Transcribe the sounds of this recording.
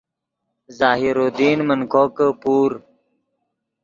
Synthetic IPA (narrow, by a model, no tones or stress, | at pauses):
zaːɦiɾoːd̪iːnmənkʰoːkəpuːɾ